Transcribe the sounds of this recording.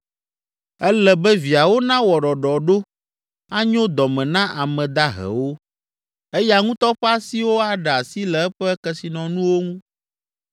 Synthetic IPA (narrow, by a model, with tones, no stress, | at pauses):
ɛ˦lɛ˨bɛ˦vi˨a˨wo˦nã˦wɔ˨ɖɔ˨ɖɔ˨ɖo˦ | a˦ɲõ˦d̪ɔ˨mɛ̃˨nã˦ʔa˨mɛ̃˨d̪a˦ɦɛ̰˨wo˦ | e˦ja˨ŋũ˦t̪ɔ˦ɸɛ˦a˦si˦wo˦a˨ɖɛ˨a˨si˦lɛ˨ɛ˦ɸɛ˦kɛ˦si˨nɔ̃˨nũ˦wo˦ŋũ˦